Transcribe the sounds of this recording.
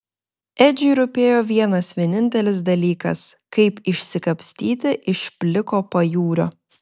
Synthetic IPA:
ɛd͡ʒʲʊːɾʊpʲeːjoːʋʲiɛnɐsʋʲiɛnʲɪnʲt̪ʲɛlʲɪsd̪ɐlʲiːkɐ̰skɐɪpɪʃʲsʲɪkɐpʲsʲt̪ʲiːt̪ʲɪʔɪʃpʲlʲɪkoːpɐjuːɾʲoː

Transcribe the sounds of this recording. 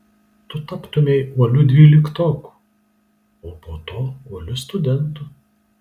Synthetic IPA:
t̪ʊt̪ɐpt̪ʊmʲɛɪuɔlʲʊd̪ʲʋʲiːlʲɪkt̪oːku̥ | oːpoːt̪oːuɔlʲʊst̪ʊd̪ʲɛnt̪ʊ

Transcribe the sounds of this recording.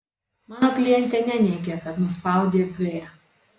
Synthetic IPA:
mɑːnoːklʲɪjɛnʲt̪ʲɛnʲɛnʲɛɪɡʲɛkɐt̪nʊspɑˑʊd̪ʲeːɡɐjɛ

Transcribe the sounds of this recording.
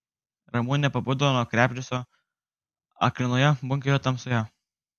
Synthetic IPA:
ɾɐmuːnʲɪnʲɛpɐbuːd̪ɐʋonɔkɾʲæːpʲd͡ʒʲʊsʲoː | ɐ̰klʲɪnoːjɛbʊŋʲkʲɛjot̪ɐmsʊjæ

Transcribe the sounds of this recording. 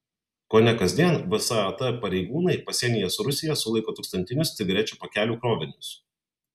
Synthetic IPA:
koːnʲɛkɐzʲd̪ʲiɛnʋʲɪsɑɪɐt̪ɐpɐɾʲɛɪɡuːnɐɪpɐsʲiɛnʲɪjɛsɾʊsʲɪjɛsʊlˠɐɪkoːt̪ʊːˑkst̪ɐnʲt̪ʲɪnʲʊst̪ʲɪɡɐɾʲɛt͡ʃʲuːpɐkʲæːlʲuːkɾoːʋʲɪnʲʊs

